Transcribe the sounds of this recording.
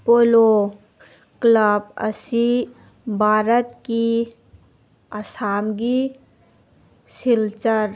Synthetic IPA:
polo | kləbə̰si | bʱaɾət̪ki | ɐsamɡi | silt͡ʃəɾ

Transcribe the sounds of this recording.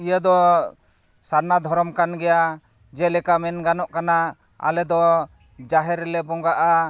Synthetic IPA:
ijəd̪ɔ | saɾnad̪ʱɔɾɔmkanɡɛja | d͡ʒɛlɛkamɛnɡanɔʔkana | a̰lɛd̪ɔ | d͡ʒaɦɛɾɛlɛbɔŋɡaʔa

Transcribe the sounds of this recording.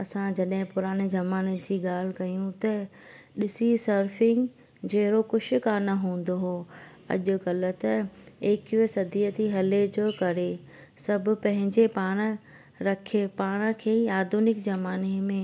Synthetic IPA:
ɐsãd͡ʑɐɗɦɪ̃pʊɾaːɽ̃ed͡ʑɐmaːned͡ʑiːɠaːl̤ɪ̆kɐjũt̪ɐ | ɗɪsisɐɾfɪ̃ŋɡ | d͡ʑɐɦɪɾokʊʃʰʊ̆kanɐɦũːn̆d̪oɦo | ɐ̰ʄʊ̆ɣɐlə̆t̪ɐeːkiesɐd̪ʱiət̪ʰiɦɐled͡ʑokɐɾe | sɐbʱʊ̆pɐ̃ɦɪ̃ɲd͡ʑepaːɽ̃̆ | ɾɐkʰepaːɽ̃ə̆kʰeːiaːd̪ʱunɪkd͡ʑɐmaːnemẽ

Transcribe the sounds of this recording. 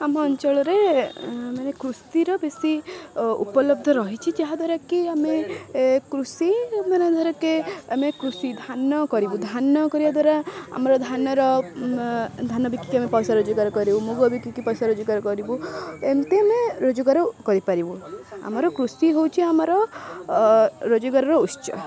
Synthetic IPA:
amɔːnt͡ʃɔɭɔɾe | manekɾust̪iɾɔbesiṵpɔlɔb̚d̪ʱɔɾɔɦit͡ʃʰit͡ʃaɦad̪waɾakiame | kɾusimaned̪ʱɔɾɔkeamekɾusid̪ʱanɔkɔɾibud̪ʱanɔkɔɾibad̪waɾaa̰mɔɾɔd̪ʱanɔɾɔ | d̪ʱanɔbikːi̥kamepɔjsaɾod͡ʒɔɡaɾɔkɔɾibumoɡubikikipɔjsaɾod͡ʒɔɡaɾɔkɔɾibuemt̪eameɾod͡ʒɔɡaɾɔkɔɾipaɾibua̰mɔɾɔkɾusiɦowt͡ʃʰiamɔɾɔ | ɾod͡ʒɔɡaɾɔɾɔust͡ʃɔ̰

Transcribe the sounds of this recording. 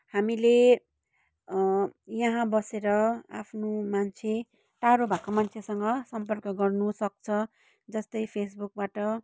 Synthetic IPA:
hamile | jʌɦãbʌseɾʌa̰pʰnomant͡sʰe | ʈaɾobʱakomant͡sʰesʌŋɡʌsʌmpʌrkʌɡʌrnusʌk̚t͡sʰʌ | d͡zʌst̪ʌjpʰesbuk̚baʈʌ

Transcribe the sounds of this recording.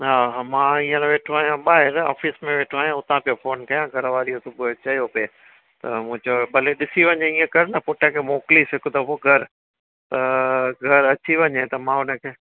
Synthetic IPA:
ɦaɦamãiːə̃nẽʋeːʈʰoaːɦijãɓaːɦɪɾa̰ːfismẽʋeːʈʰoaːijãʊt̪ãpijofoːnkɐjãɡʱɐɾʋaːɾiot̪ʰopʊet͡ɕɐjopeː | t̪ɐ̰mʊ̃ɦɪ̃d͡ʑoɓɐleɗɪsiʋɐɲẽĩːə̃kɐɾnɐpʊʈʰəkʰemoːklisɪkʊd̪ɐpoɡʱɐɾ | t̪ɐɡʱɐɾɐt͡ɕiʋɐɲet̪ɐmãʊnə̆kʰeː

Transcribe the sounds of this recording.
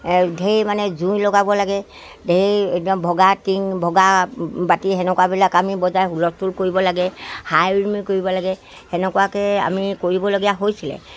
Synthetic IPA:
dʱejmanɛzũjlɔɡabɔlaɡɛ | dʱeɦeetiɔmbʱɔɡatiŋbʱɔɡabatiɦɛnɛkwabilakamibɔzajɦulɔstulkoɹibɔlaɡɛhajmikoɹibɔlaɡɛ | hɛnɛkwakɛa̰mikoɹibɔloɡijaɦojsilɛ̰

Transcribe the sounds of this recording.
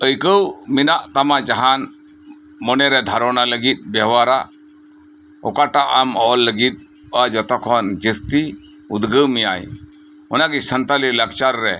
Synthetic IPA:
əjkəwminaʔt̪amad͡ʒaɦan | mɔnɛɾɛd̪ʱaɾɔnaləɡit̪̚ˀbɛɦwaɾa | ɔ̰kaʈaʔamɔlːəɡit̪̚ | ad͡ʒɔt̪ɔkʰɔnd͡ʒist̪i | ud̪ɡəwmija̰j | ɔnaɡisənt̪aliləkt͡ʃaɾːɛ

